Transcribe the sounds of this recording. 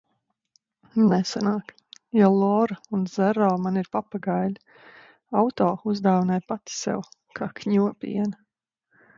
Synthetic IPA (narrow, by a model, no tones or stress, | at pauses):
nɛsanaːk | jalˠɔɾaunz̥ɛɾɔːmaniɾpapaɡajlʲ | awt̪ɔːuzd̪aːwinajpat̪i̥sɛ̰wkʰaːkɲuɔpḭɛnɐ